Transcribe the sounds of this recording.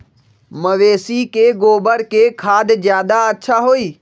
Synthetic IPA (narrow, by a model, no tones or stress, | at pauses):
məʋeːsikeɡoːbəɾkeːkʰaːd̪zjaːd̪aɐtːʃʰaɦoːiː